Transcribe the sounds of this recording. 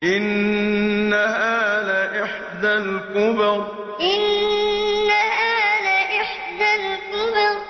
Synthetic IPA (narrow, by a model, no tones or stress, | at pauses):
ʔɪnː | ahaːðaʔɪħ | d̪alkʊbɪɾ | ʔɪnː | ahaːðaʔɪħ | d̪alkʊbɪɾ